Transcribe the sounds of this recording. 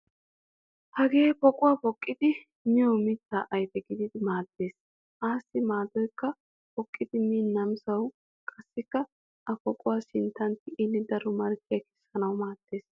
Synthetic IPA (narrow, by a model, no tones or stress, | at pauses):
hɐɡe̞ːpɔkʼʊwapɔkʼːɪd̪ɪ | mɛɔmɪt̪ːaːʔɐjt̪ɛɡɪd̪ɪd̪ɪmaːd̪ːe̞ːs | ʔaːsːɪmaːd̪ɔjkːɐ | pɔkʼːɪd̪ɪmiːnːɐmsɐw | kʼɐsːɪkːɐ | ʔɐpɔkʼʊwaːʃɪnt̪ːɐnt̪ːɪʔɪnːɪd̪ɐɾɔmɐɾkːɪjɐkɛ̥sːɐnɐwmaːt̪ːe̞ːs